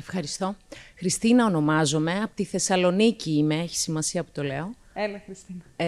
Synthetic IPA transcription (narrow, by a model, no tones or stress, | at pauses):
efxɐɾist̪o̞xɾist̪inɐo̞no̞mɐzo̞me̞ɐpot̪iθe̞sɐlo̞niciime̞eçi̥simɐsiɐpu̥t̪o̞le̞̰o̞ | elɐxɾist̪inɐ